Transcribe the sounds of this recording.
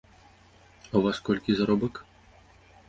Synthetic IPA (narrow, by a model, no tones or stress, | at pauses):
avaskɔlʲkʲizaɾɔbɨk